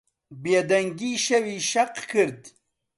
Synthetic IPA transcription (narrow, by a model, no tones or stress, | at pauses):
beːd̪ɐŋɡiːʃɐwiːʃɐqkʰɨɾd̪